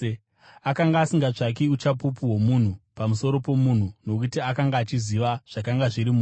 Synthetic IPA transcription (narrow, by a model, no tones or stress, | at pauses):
akaŋɡaːsiŋɡaʐak̬eut͡ʃapup̬uwomun̤upamuso̞ɾo̞po̞mun̤uno̞kutiakaŋɡaːt͡ʃiziʋaʐ̥akaŋɡaʐiɾimuː